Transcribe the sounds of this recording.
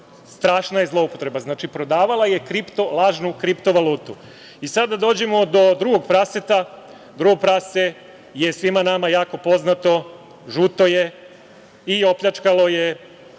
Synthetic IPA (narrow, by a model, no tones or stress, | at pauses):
st̪ɾaːʃnajezlˠo̞upot̪ɾe̞baznaːt͡ʃipɾo̞d̪aːʋalˠaje̞kɾipt̪o̞lˠaːʒnukɾipt̪o̞ʋalˠuːt̪u | isad̪ad̪o̞ːd͡ʑe̞mo̞d̪o̞d̪ɾuɡo̞ɡpɾaset̪a | d̪ɾuɡoɡ̚pɾase | je̞sʋimanamajaːko̞po̞znat̪o̞ | ʒut̪o̞je̞ | io̞pʎʲat͡ʃkalo̞je